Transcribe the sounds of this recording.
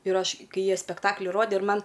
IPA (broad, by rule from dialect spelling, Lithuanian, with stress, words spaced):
ɪr ˈɐʃ ˈkɐɪ ˈjiɛ sʲpʲɛkˈtɑːklʲɪ ˈroːdʲeː ɪr ˈmɐn